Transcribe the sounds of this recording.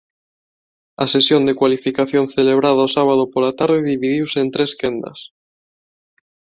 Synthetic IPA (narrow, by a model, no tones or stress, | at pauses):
asesjond̪ekwalifikaθjonθeleβ̞ɾað̞aosaβ̞að̞opolat̪aɾð̞eðiβiðiwseːnt̪ɾeskend̪a̰s